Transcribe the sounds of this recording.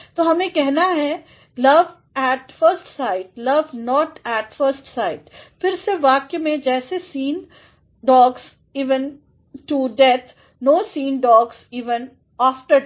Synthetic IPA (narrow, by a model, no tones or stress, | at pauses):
t̪oːɦɐmẽkɛɦnaɦɛ | lɐʋ | ɛːʈfəɾsʈsaːɪʈ̚lɐʋnɔːʈɛːʈfəɾsʈsaːɪʈfɪɾseʋaːkemẽd͡ʒɛːsesĩːn | ɖɔːɡz | iːʋə̃n | ʈuɖɛt̪ʰ | noːsiːnɖɔːɡz̥iːʋə̃n | aːfʈəɾ